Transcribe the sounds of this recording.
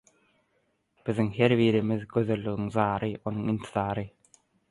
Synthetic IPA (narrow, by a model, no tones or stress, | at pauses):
b̥iðiŋɦe̞ɾβiːɾimiðɡø̞ðø̞lːyɣiŋzɑːɾɯo̞nuŋint̪ʰi̥zɑːɾɯ